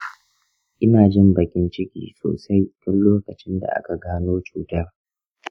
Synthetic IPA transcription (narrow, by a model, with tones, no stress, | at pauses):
ʔɪ˦naː˨d͡ʒɪ˦mbɐ˨kʲɪ˦nt͡ʃɪ˦kʲḭː˨so̰ː˨sa˦jtʊ˦nloː˦kɐ˨t͡ʃɪ˦nda̰˨ʔa̰˦ka˨ɡaː˦noː˦t͡ʃuː˨tɐ˦r